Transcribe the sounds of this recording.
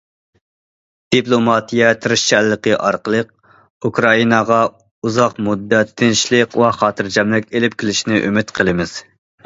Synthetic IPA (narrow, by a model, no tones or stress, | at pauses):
d̪̥iplˠomɑt̪ijɛt̪ʰɨɾɪʃt͡ʃʰælːəqəʔɑɾqəlˠəq̚ | ukɾɑinɑʁɑ | uzɑqmud̪ːɛt̪ʰːɪnʃlɨqwɛχɑːt̪ʰɨɾd͡ʒɛmlɪkʲelɪp̚kʲʰɪlɪʃnɪʔømɪt̪qʰəlˠɨmɪz̥